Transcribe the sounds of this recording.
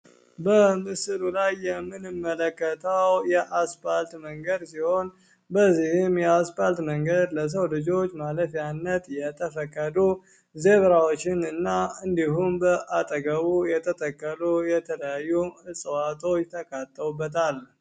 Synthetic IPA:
bəmɨsɨlulajːɛmːɨnɨmːələkːət̪ʰəwjɛʔaspalt̪məŋɡəd̪siho̞n | bəzːihɪmjɛaspalt̪məŋɡəd̪ləs̬əwlɨd͡ʒo̞t͡ʃːmaləfjanːət̪jɛt̪ʰəfəkʼːəd̪u | ze̞βɾawot͡ʃːɪnɨnːaɨnd̪iɦumbəʔat̪ʼəɡəβujɛt̪ʰət̪ʼəkʼːəlujɛt̪ʰələjajːuɨsʼəwat̪ʰo̞t͡ʃːt̪ʰəkʰat̪ʼːəwubːət̪ʰal

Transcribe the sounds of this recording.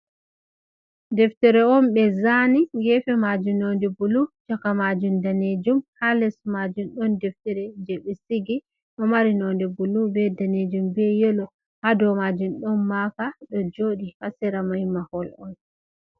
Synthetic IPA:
dɛftɛɾɛɔnɓɛzaniɡɛfɛmad͡ʒunɔndɛbulut͡ʃakamad͡ʒumdaned͡ʒumhalɛsumad͡ʒunɗɔndɛftɛɾɛd͡ʒɛɓɛsiɡi | ɗɔmaɾinɔndɛbulubɛdaned͡ʒumbɛjɛlɔ | hadɔmad͡ʒunɗɔnmakaɗɔd͡ʒoɗihasɛɾamahimahɔlɔn

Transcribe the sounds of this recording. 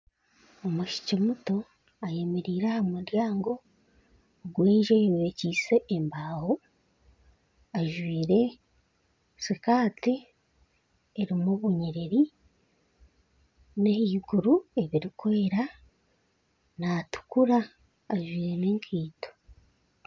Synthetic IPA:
omuʃi̥cimuto̞ | aje̞meɾiːɾahamuɾjaːŋɡo̞ | ɡweːɲʒeweciːse̞ʔːmbaːho | aʒwiːɾe̞ | sikaːti | eɾimuβuɲiɾeɾi | nehiɡuɾue̞βiɾikʰwoeɾa | natu̥kuɾaː | ʒwiːɾeneːŋkʰiːto̥

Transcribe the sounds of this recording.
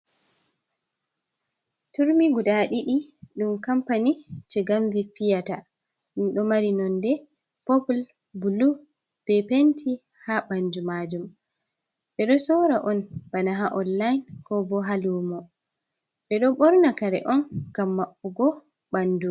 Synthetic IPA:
tuɾmiɡuɗaɗiʔiɗumkampanit͡ʃɛɡamvipijata | ɗunɗɔmaɾinɔndɛ | pɔpl | bulu | b̥ɛpentʰi | haɓand͡ʒumad͡ʒum | ɓɛɗɔsɔɾaʔɔnb̥anaɦaʔɔnːajnkɔbɔɦalumɔ | ɓɛɗɔɓɔɾnakaɾɛ̰ʔɔnɡ̥amːaɓːɔɡɔ | ɓanːdu

